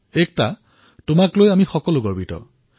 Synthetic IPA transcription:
ek̚ta | tʊmaklojamixɔkɔlʊɡɔɹbʱitɔ̰

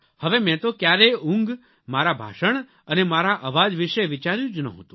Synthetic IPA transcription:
həʋemɛ̃t̪okjaɾeũŋɡ | maɾabʱa̰ʃəɳ | ənemaɾaʔəʋad͡ʒʋiʃeʋit͡ʃaɾjũd͡ʒnə̰ɦõ̰t̪ũ

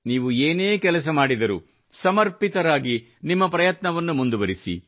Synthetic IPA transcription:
niːʋueːneːkɛlɐs̬ɐmaːɽid̪ɐɾu | sɐmɐɾpit̪ɐɾaːɡi | nimːɐpɾɐjɐt̪nɐʋɐnːumund̪uʋɐɾisḭ

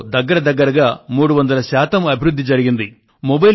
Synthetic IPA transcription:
d̪ɐɡːɐɾɐd̪ɐɡːɐɾɐɡaːmuːɽuʋɐnd̪ɐlɐʃaːt̪ɐmɐbʱiɾud̪ʱːid͡ʒɐɾiɡind̪i | mobɐj

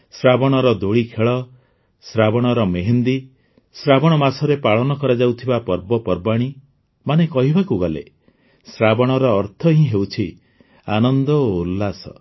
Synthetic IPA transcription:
sɾabɔɽ̃ɔɾɔd̪oɭikʰeɭɔ | sɾabɔɽ̃ɔɾɔmeɦend̪i | sɾabɔɽ̃ɔmasɔɾepaɭɔnɔkɔɾad͡ʒawt̪ʰibapɔɾbɔpɔɾbaɽ̃i | manekɔɦibakuɡalḛ | sɾabɔɽ̃ɔɾɔːɾt̪ʰɔɦĩɦewt͡ʃʰi | anɔnd̪ɔoulːasɔ̰

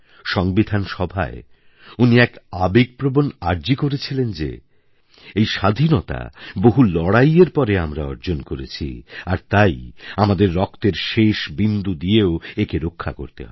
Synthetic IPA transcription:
ʃɔŋbid̪ʱanʃɔbʱa̰e | uniɛkabeɡ̚pɾobonaɾd͡ʑikoɾet͡ɕʰilend͡ʑḛ | ejʃad̪ʱinɔt̪a̰boɦulɔɽajeɾpɔɾeamɾaɔɾd͡ʑonkoɾḛt͡ɕʰḭaɾt̪ajamad̪eɾːɔkt̪eɾʃeʃbind̪ud̪ijeoekeɾokʰːa̰ko̰ɾt̪ḛɦɔee

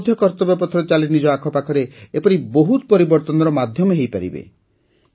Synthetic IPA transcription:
d̪ʱjɔkɔɾt̪ɔbapɔt̪ʰɔɾɔt͡ʃalinid͡ʒɔakʰɔpakʰɔɾeepɔɾiboɦut̪pɔɾibɔɾt̪ɔnɔɾɔmad̪ʱjɔmɔɦejpaɾḭbḛ

